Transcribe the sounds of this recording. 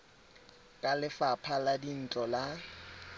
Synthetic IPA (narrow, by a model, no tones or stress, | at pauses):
kʼalɪfapʰaladin̩t͡ɬʼɔla